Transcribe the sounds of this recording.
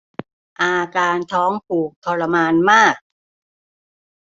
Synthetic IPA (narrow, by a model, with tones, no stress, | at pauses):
ʔaː˧kaː˧nt̪ʰɔː˦˥ŋpʰuː˨˩k̚t̪ʰɔ˧la˧maː˧nmaː˥˩k̚